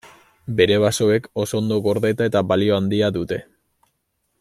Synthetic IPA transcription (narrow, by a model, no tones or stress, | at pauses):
be̞ɾe̞βaso̞e̞ko̞so̞ːnd̪o̞ɣo̞ɾðet̪ae̞t̪aβalio̞and̪iaðut̪e̞